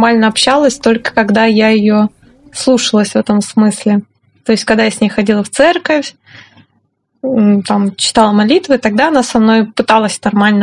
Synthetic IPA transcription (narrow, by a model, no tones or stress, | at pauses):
malʲnəɐpɕalˠəsʲt̪o̞lʲkə̥kɐɡd̪ajajɪjo | slˠuʂəlˠəsʲvɛt̪əmsmɨsʲlʲɪ | t̪o̞ɪstʲkɐɡd̪ajasʲnʲejxɐdʲilˠəft̪sɛrkəfʲ | t̪amt͡ɕɪ̥t̪alˠəmɐlʲit̪vɨt̪ɐɡ̚d̪aɐnasɐmno̞jpɨt̪alˠəsʲnɐrmalʲnə